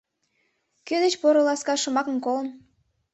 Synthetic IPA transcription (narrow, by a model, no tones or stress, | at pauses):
kød̪et͡ɕpoɾə̆lɑskɑʃə̆mɑkə̆mkolə̆n